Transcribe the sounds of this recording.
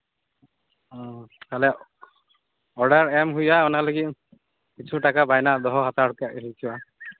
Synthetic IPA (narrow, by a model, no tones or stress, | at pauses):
kalɛ | ɔɖaɹɛmɦujaɔnalɔɡi | kit͡ʃʰuʈakabajnad̪ɔɦɔɦat̪akɛʔɦit͡ʃʰiwa